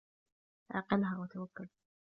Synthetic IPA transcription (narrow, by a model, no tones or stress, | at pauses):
ʔa̰qɪlɦawɪt̪awakːʊl